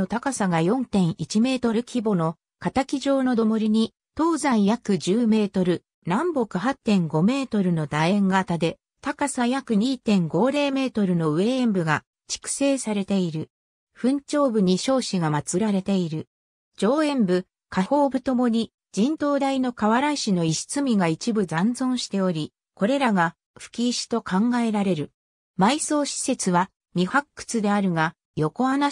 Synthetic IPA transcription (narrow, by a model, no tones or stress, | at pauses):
ot̪akasaɡajõ̞nt̪ẽ̞ɰ̃ʔit͡ɕime̞ːt̪o̞ɾɯ̟kʲibo̞no̞ | kat̪akʲiʑo̞ːno̞d̪o̞mo̞ɾʲiɲ̟i | t̪o̞ːzãĩjakɯ̟d͡ʑɨːme̞ːt̪o̞ɾɯ̟ | nãmbo̞kɯ̟ɦat̪ːẽ̞ŋɡo̞me̞ːt̪o̞ɾɯ̟no̞d̪aẽŋɡat̪ad̪e̞ | t̪akasajakɯ̟ɲ̟iːt̪ẽ̞ŋɡo̞ːɾe̞ːme̞ːt̪o̞ɾɯ̟no̞ɯ̟ẽ̞ːmbɯ̟ɡa | t͡ɕi̥kɯ̟̥se̞ːsaɾe̞t̪e̞iɾɯ̟ | ɸɯ̟̃ɲ̟t͡ɕo̞ːbɯ̟ɲ̟iɕo̞ːɕiɡamat͡sɨɾaɾe̞t̪e̞iɾɯ̟ | d͡ʑo̞ːẽ̞mbɯ̟ | kaho̞ːbɯ̟t̪o̞mo̞ɲ̟i | d͡ʑĩnt̪o̞ːd̪aino̞kaβaɾaiɕino̞iɕi̥t͡sɨmʲiɡait͡ɕibɯ̟zãnd͡zõ̞ɰ̃ɕi̥t̪e̞o̞ɾʲi | ko̞ɾe̞ɾaɡa | ɸɯ̥kʲiːɕi̥t̪o̞kãŋɡae̞ɾaɾe̞ɾɯ̟ | maiso̞ːɕi̥se̞t͡sɨβa | mʲihakːɯ̟̥t͡sɨd̪e̞aɾɯ̟ɡa | jo̞ko̞ana